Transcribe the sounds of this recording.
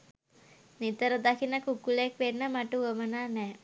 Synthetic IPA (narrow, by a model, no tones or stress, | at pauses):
nit̪əɾəd̪akʰinəkukuləekʋenːəmaʈuuəmənaːnɛː